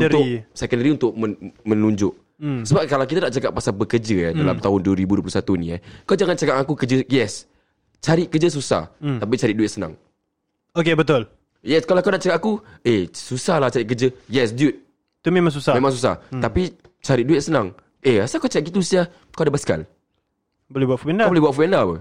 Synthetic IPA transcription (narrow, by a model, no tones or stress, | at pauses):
uɾʊisɛkəndəɾiunt̪ʊk̚məmə̃nuɲd͡ʒʊʔ̚ | səbap̚kalawkit̪anaʔt͡ʃakaʔpːasalbəkərd͡ʒəjadala̰mt̪aɦʊnduəɾibuduəplusat̪uniakawd͡ʒaŋant͡ʃaɡaʔakukəd͡ʒəjɛs | t͡ʃaɾɪʔkəd͡ʒəs̬usa̰ht̪ap̬it͡ʃaɾɪt̪̚duɪt̪̚səna̰ŋ | okebət̪ʊl | jɛskalawkawnaʔt͡ʃakakaku | esusahlaht͡ʃaɾɪʔk̬əd͡ʒəjɛsdjut̪̚ | t̪umẽmãŋsusamẽmãŋs̬usa̰api | t͡ʃaɾiʔ̚duɪt̪̚sənaŋ | easakat͡ʃaaʔɡit̪usiah | kawadabaska̰l | bolɛhbuat̪fundaabolɛhbuaʔ̪fuɛndapə̰